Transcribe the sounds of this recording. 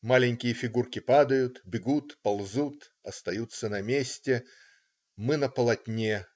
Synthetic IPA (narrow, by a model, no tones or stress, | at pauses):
malʲɪnʲkʲɪjəfʲɪɡurkʲɪpad̪əjʊt̪bʲɪɡut̪pɐlˠzut̪ | ɐst̪ɐjut̪sːənɐmʲesʲtʲɪ | mɨnəpəlˠɐtʲnʲe